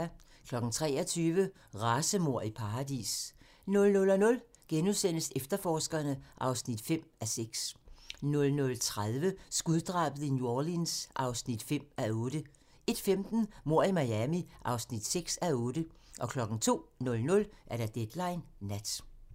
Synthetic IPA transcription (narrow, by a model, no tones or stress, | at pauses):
kʰlɒ̽ɡ̥n̩t͡sʰʁɛ̰ːɒt͡sʰyːʋə | ʁɑːsəmo̝ɐ̰ipʰɑ̈ːd̥ḭs | nɔ̽lnɔ̽lɒnɔ̽l | ɡ̥enuðˠsen̰əsefd̥ɐfɒːsɡ̥ɐnəʔɑ̈ʊsnid̥fem̰æseɡ̥snɔ̽lnɔ̽lt͡sʰʁaðˠʋəsɡ̥uðˠd̥ʁɑ̰̈ːb̥əð̩ˠinjolinsʔɑ̈ʊsnid̥fem̰æɔːd̥ə | e̝d̥femd̥n̩mo̝ɐ̰imɑ̈jæmiʔɑ̈ʊsnid̥seɡ̥sæɔ̽ːd̥əʔɒ̽kʰlɒ̽ɡ̥n̩t͡sʰo̝̰ːnɔ̽lnɔ̽lʔæɐɾ̥æd̥ed̥lɑ̈ɪnːæd̥